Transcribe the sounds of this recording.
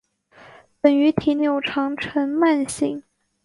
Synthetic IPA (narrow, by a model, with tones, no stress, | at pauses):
pə˨˩ŋy˧˥t̪ʰi˨˩njo˧˩ʊʈ͡ʂʰɑ˧˥ŋʈ͡ʂʰə˧˥nma˥˧nɕi˥˩˦ŋ